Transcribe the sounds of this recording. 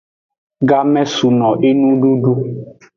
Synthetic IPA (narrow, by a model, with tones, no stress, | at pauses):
ɡa˦mɛ˦su˨nɔ̃˨ʔe˦nũ˦ɖu˦ɖu˦